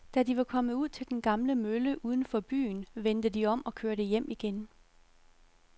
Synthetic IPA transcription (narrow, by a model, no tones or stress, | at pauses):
d̥ædiʋɑ̈kʰɒ̽məuð̞̰ˠt͡sʰe̝ld̥enɡ̥ɑ̈mləmøləʔuːð̞ˠn̩fɒ̽b̥y̰ːnʋend̥əd̥iɒ̽m̰ɒ̽kʰøɐɾəjem̰iɡ̥en